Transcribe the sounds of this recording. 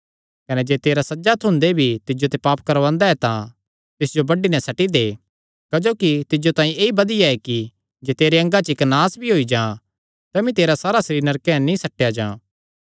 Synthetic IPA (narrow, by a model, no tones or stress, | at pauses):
kɐnɛd͡ʒeːt̪eːɾasɐd͡ʒat̪ʰʊ̃nd̪ebʱit̪ɪd͡ʒot̪epaːpkɐɾʋãːnd̪aɦɛt̪ã | t̪ɪsd͡ʒobɐɖinɛsɐʈid̪eː | kɐd͡ʒoːkit̪ɪd͡ʒot̪ãːĩeːibɐd̪ɪjaɛki | d͡ʒeːt̪eːɾeɐ̃ŋɡat͡ʃɪknãːsbʱiɦoːid͡ʒãː | t̪ɛmĩt̪eːɾasaːɾasɐɾiːɾnɐɾkẽɛ̃nĩsɐʈːjad͡ʒãː